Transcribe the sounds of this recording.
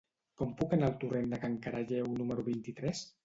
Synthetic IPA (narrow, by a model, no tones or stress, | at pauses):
kɔmpukənalˠt̪urend̪əkaŋkaɾʔaʎɛwnuməɾuβint̪it̪ɾɛs